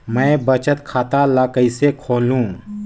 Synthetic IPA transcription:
mɛ̃ːbət͡ʃət̪kʰaːt̪aləkəisekʰoːlũː

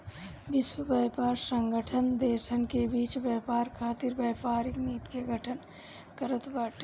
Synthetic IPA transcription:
bɪswəbɛːpaːɾsə̃ŋɡəʈʰənd̪eːʃənkebiːt͡ʃʋjəːpaːɾkʰaːt̪iɾbəːpaːɾɪkniːt̪keɡʱəʈʰən | kəɾət̪baʈ

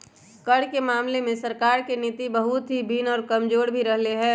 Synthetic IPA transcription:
kəɽkemaːmlemẽsəɾkaːɾkenɪt̪ibəɦʊt̪ɦibʱiːnɔːɾkɐmd͡ʒoːɽbʱiɾɐɦleɦɛ̃ː

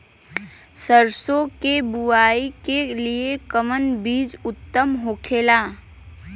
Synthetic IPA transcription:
səɾsõkebʊaːikeliekəmənbiːd͡ʒʊt̪ːəmɦoːkʰeːlaː

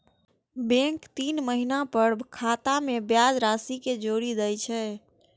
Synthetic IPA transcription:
bɛ̃ŋkt̪iːnməɦinapəɾkʰaːt̪amẽbjaːd͡ʒɾaːsiked͡ʒoːɾid̪əjt͡ʃʰɛː

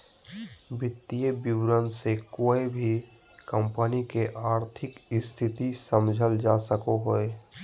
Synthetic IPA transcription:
bɪt̪ːiebɪwɾənsekoːebʱi | kəmpənikeʔaːɾt̪ʰɪkɪst̪ʰɪt̪isəmd͡ʒʱəld͡ʒasəkoɦoe

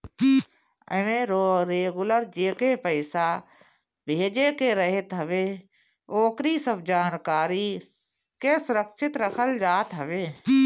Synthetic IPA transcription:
ə̰ʋẽɾɾeːɡʊləɾd͡ʒeːkepəɪsa | bʱeːd͡ʒeːkeɾəɦɪt̪ɦəʋeː | oːkɾisəbd͡ʒaːnkaːɾi | kesʊɾəkʃɪt̪ɾəkʰəld͡ʒaːt̪ɦəʋeː

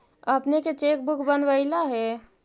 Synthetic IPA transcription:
əpneket͡ʃeːk̚bʊkʰbənʋəɪlaɦɛ

